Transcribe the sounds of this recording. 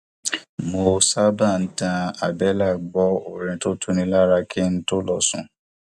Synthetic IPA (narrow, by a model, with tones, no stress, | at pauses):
mo˧sa˦bã˦˨n̩˦tã˧a˨bɛ˨˦la˦˨ɡ͡bɔ˨˦o˨ɾĩ˨˧to˦tʰu˦nĩ˧la˦ɾa˧kʰi˦n̩˦to˦lɔ˦˨sṵ̃˨